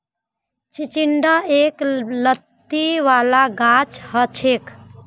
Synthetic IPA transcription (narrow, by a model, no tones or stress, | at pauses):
t͡ʃit͡ʃiɳɖəeklət̪ːiʋalaɡat͡ʃhət͡ʃʰek